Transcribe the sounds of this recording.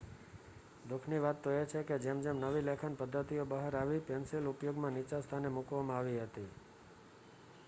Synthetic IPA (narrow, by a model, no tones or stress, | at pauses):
d̪ukʰniʋat̪ːoet͡ʃʰeked͡ʒemd͡ʒemnəʋilekʰanpəd̪ʱːət̪iobəɦəɾaʋipɛnselupjoɡmãnit͡ʃast̪ʰanemukʋamãaʋiɦət̪i